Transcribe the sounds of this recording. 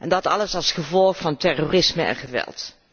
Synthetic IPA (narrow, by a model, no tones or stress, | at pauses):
ʔɛndɑtɑ̰ləsɑlˠsχəvɔlˠχfɑntɛrorɪsməɛ̰nχəʋɛ̰lˠt